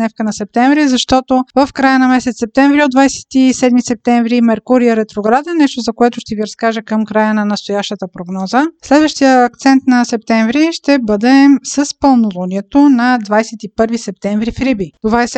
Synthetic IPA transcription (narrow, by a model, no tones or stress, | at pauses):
nɛfkənɐsɛp̚t̪ɛɱvɾizɐʃt̪ɔt̪ovəfkɾajənɐmɛsɛt̪sɛp̚t̪ɛ̃ɱvɾiod̪vajsɛ̥t̪isɛd̪misɛp̚t̪ɛɱvɾimɛɾkuɾiəɾɛt̪ɾoɡɾad̪ɛnɛʃt̪ozɐkoɛt̪ʊʃt̪ɛviɾɐskaʒəkəmkɾajənɐnɐst̪ojaʃt̪ət̪əpɾoɡnɔzəslɛd̪vəʃt̪ijəːk̚t̪sɛnt̪nɐsɛp̚t̪ɛɱvɾiʃt̪ɛbɤd̪ɛsəspəlˠnolˠoniɛt̪onɐd̪vajsɛt̪ipɤɾvisɛp̚t̪ɛɱvɾifɾibit̪ovaɛs